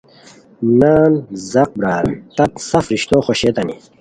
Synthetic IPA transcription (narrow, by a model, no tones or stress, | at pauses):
naːnzɐq̚bɾaːlt̪ɐt̪sɐfɾiɕt̪oːxoɕet̪ɐni